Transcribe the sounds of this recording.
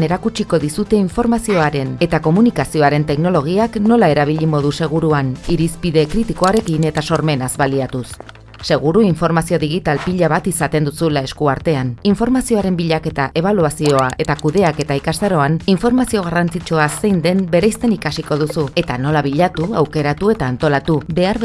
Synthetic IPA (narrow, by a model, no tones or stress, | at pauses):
ne̞ɾakut͡ʃiko̞ðisut̪e̞iɱfo̞ɾmasio̞aɾe̞ne̞t̪ako̞munikasio̞aɾe̞nt̪e̞kno̞loɣ̞iakno̞lae̞ɾaβ̞iʎimo̞ðuse̞ɣ̞uɾuaniɾispiðe̞kɾit̪iko̞aɾe̞kine̞t̪aso̞ɾme̞nazβaliat̪usː | e̞ɣ̞uɾuiɱfo̞ɾmasio̞ðiɣ̞it̪alpiʎaβat̪isat̪e̞nd̪usulae̞skuaɾt̪e̞aniɱfo̞ɾmasio̞aɾe̞mbiʎake̞t̪aʔe̞β̞aluasio̞aʔe̞t̪akuðe̞ake̞t̪aikasaɾo̞aniɱfo̞ɾmasio̞ɣ̞arant͡sit͡ʃoasejnd̪e̞mbe̞ɾejst̪e̞nikasiko̞ð̞usue̞t̪ano̞laβiʎat̪uawke̞ɾat̪ue̞t̪aːnt̪o̞lat̪uβe̞aɾ